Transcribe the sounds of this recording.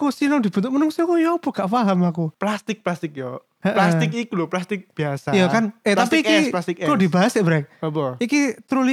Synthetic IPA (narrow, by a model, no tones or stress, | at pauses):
kusinɔŋd̪i̤bənt̪ʊkmənʊŋsiakujɔbɔɡ̥aʔfaɦamakuplast̪ɪk̚plast̪ɪk̚jɔ | əʔlasɪkikulɔplast̪ɪk̚b̥iasajakanet̪atpiikiplast̪ɪkkudibaɦaseʔbɾak̚bɔikit̪ɾuli